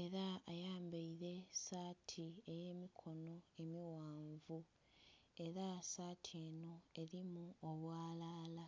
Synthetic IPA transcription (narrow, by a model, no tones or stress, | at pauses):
e̞ɾaajaːmbaiɾe̞saːtʰie̞je̞ːmikʰo̞no̞e̞miwaːɱvu | e̞ɾasaːtʰie̞ːno̞e̞ɾimuoβwaːlaːla